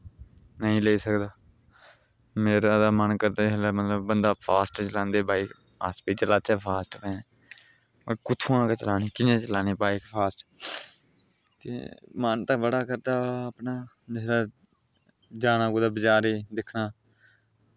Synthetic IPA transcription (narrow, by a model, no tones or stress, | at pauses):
nəɦĩːleiːsəkd̪aː | meːɾaːd̪aːmənkəɾd̪eːɦəlaːmət̪ləbːənd̪aːpʰaːsʈt͡ʃəlãːnd̪eːbaːiː | aspiːt͡ʃəlaːt͡ʃɛːpʰaːsʈkẽː | əkʊt̪ʰːuːãːket͡ʃəlaːniːkɪnẽːt͡ʃəlaːneːpaːikpʰaːsʈ | t̪ḛːmənt̪ãbəɽaːkəɾd̪aːəpnaː | d͡ʒɪɾaː | d͡ʒaːnaːkoːd̪aːbəd͡ʒaːɾeːd̪ɪkʰnaː